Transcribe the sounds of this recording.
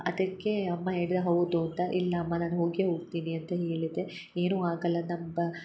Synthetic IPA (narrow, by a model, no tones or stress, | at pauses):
ɐd̪ɐkːe̞ɐmːɐɦeːɭid̪ɐɦoːwd̪uɐnt̪ɐʔilːɐːmːɐnaːnuɦoːɡeɦoːɡ̚t̪iːniɐnt̪ɐɦeːɭid̪ːe̞ | eːnuːaːɡɐlːɐnɐmɡɐ